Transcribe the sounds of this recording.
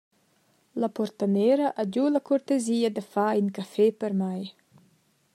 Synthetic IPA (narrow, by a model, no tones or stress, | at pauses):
lapɔɾt̪aneːɾaʔad͡ʒulakʰuɾt̪eziːad̪əfaiŋkafɛpəɾmaj